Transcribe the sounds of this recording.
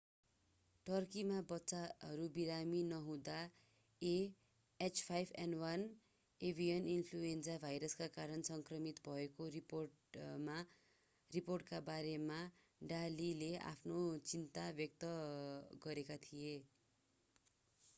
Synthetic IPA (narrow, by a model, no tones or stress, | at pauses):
ʈʌrkimabʌtːt͡saɦʌɾubiɾaminʌɦũd̪a | e | et͡spʰajbʱḛnwʌn | ebʱijʌninpʰluensabʱajɾʌskakaɾʌnsʌŋkrʌmit̪bʱʌekoipo | ma | riporʈ̚kabaɾema | ɖalilea̰pʰnot͡sint̪abjʌk̚t̪ʌɡʌɾekat̪ʰije